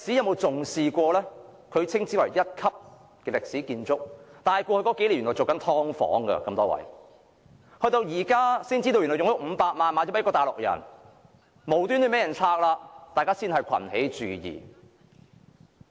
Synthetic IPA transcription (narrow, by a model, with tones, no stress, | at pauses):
lk̚si˨˥ɐ˨˧wmo˨˧wt͡sʊ˨ŋsiː˨kʷɔː˧lɛː˥kʰɵ˨˧ɥt͡sʰɪ˥ŋt͡siː˨˥wɐ̰˨˩jjɐ˥t̚kʰɐ˥p̚ | kɛː˧lɪ˨k̚siː˨˥kiː˧nt͡sʊ˥k̚t̪aː˨jkʷɔː˧kʰhkɔː˨˧˥ke˨˥lnːɔ˨wt͡so˨wkɐ˨˥nt̪ʰɔː˥ŋfɔ̰ː˨˥ŋɡɐ̰˧kɐ˧mt̪ɔː˥wɐ̰˨˩j | hɵ˧ɥt̪o˧wjiː˨˩kaː˥siː˥nt͡si˥t̪o˧wɥy˨nɔ˨˩jʊ˨ŋjʊ˥k̚m̩˨˧paː˧k̚maː˨˧nmaː˨˧˥t͡sɔ˨˥kːɔː˧t̪aː˨jlʊ˨k̚jɐ̰˨˩n | mo˨wt̪y˥nt̪ɵ˧˥me˨˥jɐ˨˩nt͡sʰaː˧k̚laː˧t̪aː˨jkaː˥siː˥nhɐ˨jkʰɐ̰˨˩nhe˨˥jt͡ʃy̰ː˨jḭː˨˩